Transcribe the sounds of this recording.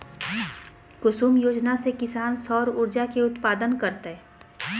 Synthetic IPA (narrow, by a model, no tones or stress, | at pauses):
kʊsuːmjoːd͡ʒnasekɪsaːnsɔːɾʊɾd͡ʒakeʊt̪paːd̪ənkɐɾt̪eɛ